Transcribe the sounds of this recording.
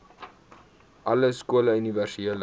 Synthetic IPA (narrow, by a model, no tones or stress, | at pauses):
ʔɐləskuələyniværsieələ